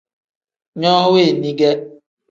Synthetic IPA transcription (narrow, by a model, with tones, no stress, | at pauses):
ɲɔ˦ɦʊ˦we˦˨ni˦ɡe˦